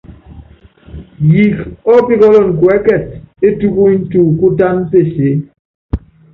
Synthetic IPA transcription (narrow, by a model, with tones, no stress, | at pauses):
ji˨kɔ˦pi˦kɔ˦lɔ˦˨n˨kwɛ˨˦kɛ˨t̚e˦tu˦ku˦i˦n̩˦tu˦˨ku˦ta˦nte˦˨se˨˦